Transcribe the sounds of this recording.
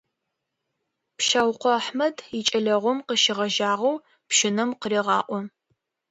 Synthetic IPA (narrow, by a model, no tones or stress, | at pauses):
pʃawqʷɔːħmɐdit͡ʃʼɐɮɐʁʷɔmqəʃɪʁɐʒaːʁɐw | pʃɪnɨmqəɾiːʁɑːʔʷɔ